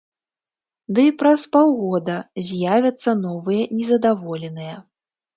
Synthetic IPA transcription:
d̪ɨpɾɐspawɣɔd̪ɐzʲjavʲɐt̪sːɐnɔvɨjɐnʲɛzɐd̪avɔlʲɛnɨjɐ

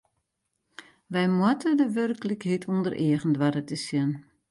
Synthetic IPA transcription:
ʋɛjmwatʰədəʋørkələkɦitʰundərʔeəɣən̩dʋaɾətʰəsjən

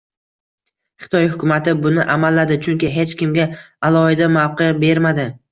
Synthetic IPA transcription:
χɪ̥t̪ʰɒjhʊkʰʲʊmat̪ɪbʊnɪʔamalːad̪ɪt͡ʃʰʊŋkʲɪɦe̞t͡ʃkʲɪmɡʲa | alˠɒhɪd̪amawqɨbe̞ɾmad̪ɪ

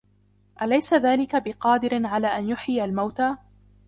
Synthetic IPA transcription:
ʔalajsaðaːlɪkabɪqɑːd̪ɪɾɪnʕalaːʔanjʊħɪalmawt̪aː

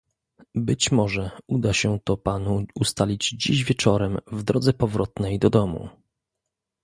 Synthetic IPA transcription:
bɘt͡ɕmɔʐɛud̪aɕɛt̪ɔpanuust̪alʲid͡ʑd͡ʑiʑvʲjɛt͡ʂɔɾɛmvd̪ɾɔd̪zɛpɔvɾɔt̪nɛjd̪ɔd̪ɔmṵ

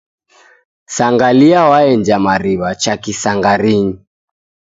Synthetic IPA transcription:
saŋɡaliawaɛnd͡ʒamaɾiβat͡ʃakisaŋɡaɾiɲi

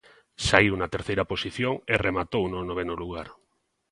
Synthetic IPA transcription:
saiwunat̪eɾθejɾaposiθjoŋeremat̪ownonoβ̞enoluɣaɾ

